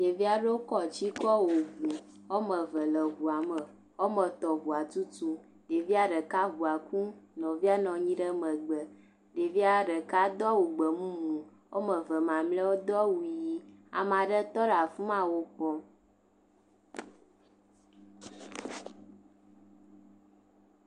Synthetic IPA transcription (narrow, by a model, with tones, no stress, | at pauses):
je˨vi˦a˦ɖe˦wo˦kɔ˦t͡ɕi˦kɔ˦wo˨vu˨ | wo˦mə˨və˨lə˨ɦu˨a˨mə˨ | wo˦mə̃˨t̪ɔ˨vu˨a˨t̪u˦tu˦ | ɖe˨vi˦a˦ɖə˨ka˦ɦu˨a˨ku˦nɔ̃˨vi˦a˦nɔ̃˨ɲĩ˦ɖə˦mə̃˨ɡ͡bə˨ | ɖe˨vi˦a˦ɖə˨ka˦d̪ɔ˦wu˨ɡ͡bə˨mũ˦mũ˨ | wo˦mə˨və˨mã˨mlɛ˦wo˦d̪ɔ˦wu˨ji˦a̰˨mã˨ɖə˦t̪ɔ˦ɖa˨fu˦mã˦wo˦pɔ˦